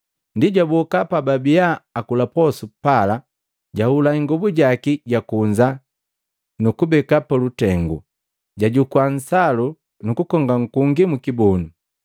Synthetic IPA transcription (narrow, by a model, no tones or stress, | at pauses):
ndiɟabɔkapababiaːkulapɔsupala | ɟahulaiŋɡɔbuɟakiɟakuɲd͡ʒa | nukubɛkapalutɛŋɡṵ | ɟaɟukwan̩salu | nukukɔŋɡaŋ̩kuŋɡimukibɔnu